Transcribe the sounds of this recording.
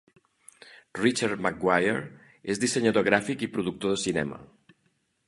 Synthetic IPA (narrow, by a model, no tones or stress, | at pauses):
rit͡ʃaɾðmak̚ɡwajeɾ | ezðiseɲat̪oɣɾafikipɾuðuk̚t̪oðəsinɛ̰mɐ̰